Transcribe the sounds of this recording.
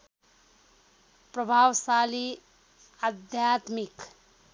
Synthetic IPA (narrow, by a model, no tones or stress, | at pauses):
pɾəbʱaːwsali | ad̪ʱjat̪mik